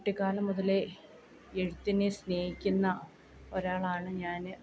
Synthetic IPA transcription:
ʈːikaːlɐmːuðɐle | eɻut̪ːinesne̞ːhikʲːunːɐ | o̞ɾaːɭaːɳɨɲaːn

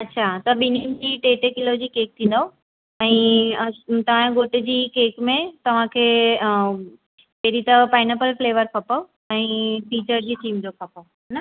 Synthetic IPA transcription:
ɐtːɕʰat̪ɐɓinimd͡ʑiːʈeːʈekɪlod͡ʑiːkeːk̚t̪ʰĩnd̪o | ɛ̃ː | t̪ɐʋ̤ãɡoːʈɪd͡ʑiːkeːkmẽt̪ɐʋ̤ãkʰeː | peɦɾit̪ɐpaːɪnəpəlfleːʋəɾkʰɐpə | ɛ̃ːfiːt͡ɕəɾd͡ʑiːʈiːmd͡ʑoːkʰɐpəɦɛnɐ

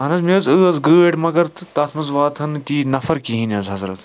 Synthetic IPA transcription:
ɦɐnɐzmiɐzɨːɐzɡɨːeʈmɐɡɐɾt̪t̪ɐt̪ʰmɐzʋaːt̪ʰɐnt̪iːnɐfɐɾkiɦĩnʲɐzɦɐzɾɐt̪

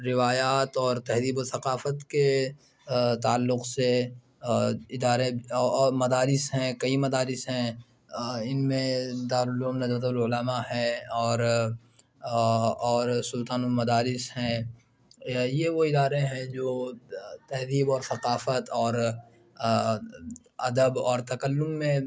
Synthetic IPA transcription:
ɾɪʋaːjaːt̪ɔːɾt̪ɛɦd̪iːbosɐqaːfət̪ke | t̪aːlːʊqse | ɪd̪aːɾeːmɐd̪aːɾɪsɦɛ̃kɐimɐd̪aːɾɪsɦɛ̃ | ɪnmẽd̪aːɾʊloːmnɐd͡ʒbət̪̬əbəlʊlamahɛɔːɾ | ɔːɾsʊlt̪aːnumɐd̪aːɾɪsɦɛ̃ | jeʋoɪd̪aːɾeɦɛ̃d͡ʒoːt̪ɐɦd̪iːbɔːɾsɐqaːfət̪ɔːɾ | ɐd̪əbɔːɾt̪ɐkəlːʊmːẽ

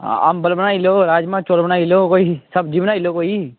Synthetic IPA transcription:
a̰ːmbəlbənaːiloːɾaːd͡ʒmãːt͡ʃoːlbəɽ̃aːiloːkoːisəbd͡ʒiːʋnaːiloːkoːiː

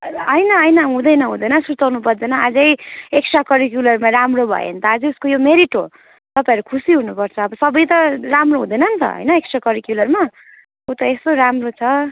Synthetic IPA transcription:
ʌjnʌʌjnʌɦũd̪ʌjnʌɦũd̪ʌjnʌsut̪awnupʌrd͡zʌnʌad͡zʌjeksʰakʌɾikjulʌrmaramrobʱʌ̰jḛʌ̰nt̪ʌad͡zʌuskojomeɾiʈo | t̪ʌpãj̃ʌɾukʰusiɦunupʌrt͡sʰʌ̃ːbʌsʌbʌjt̪ʌramroɦũd̪ʌjnʌnt̪ʌ̰ɦʌ̰jnʌeksʰakʌɾikjulʌrma | kut̪ʌest̪oɾamrot͡sʰʌ

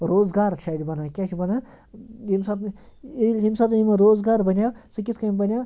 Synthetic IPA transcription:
ɾoːzɡaːɾɐt͡ʃʰaːd̪ʲibɐnaːkʲat͡ʃʰibɐnaː | imsat̪ | ɦimsat̪imɐɾoːzɡaːɾbɐnʲjaːwsɨkʲit̪ʰkɐmbɐnjaː

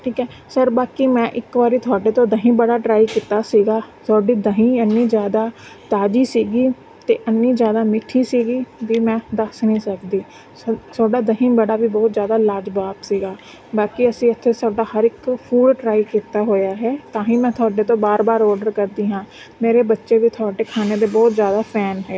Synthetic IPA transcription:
ʈʰiːkɛː | səɾbaːkiːmɛ̃ːʔɪkbaːɾiːt̪ʰʊaːɖeːt̪õːd̪əɦĩːbəɽaːʈɾaːikiːt̪aːsiːɡaːt̪ʰʊaːɖiːd̪əɦĩːənːĩːzjaːd̪aː | t̪aːd͡ʒiːsiːɡiː | t̪eːʔənːĩːzjaːd̪aːmɪʈʰiːsiːɡiːʋiːmɛ̃ːd̪əsnəĩːsəkd̪iː | ət̪ʰʊaːɖaːd̪əɦĩːbəɽaːʋiːbɔːt̪zjaːd̪aːlaːɾd͡ʒbaːpsiːɡaː | baːkiəsĩːət̪ʰːeːt̪ʰʊaːɖaːhəɾɪkpʰuːɖɖɾaːikiːt̪aːɦoːjaːɦɛːt̪ãːɦĩːmɛ̃ːt̪ʰʊaːɖeːt̪õːbaːɾbaːɾɔːɾɖəɾkəɾd̪iːɦãː | meːɾeːbətːʃeːʋiːt̪ʰʊaːɖeːkʰaːneːd̪eːbɔːt̪zjaːd̪aːpʰɛːnɦɛː

